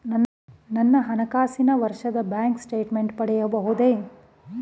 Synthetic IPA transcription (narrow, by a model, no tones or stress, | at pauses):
nɐnː | nɐnːɐɦɐnɐkaːsinɐʋɐɾʂɐd̪ɐbaːŋksʈeːʈmeɳʈpɐɽɛjɐbɐɦud̪eː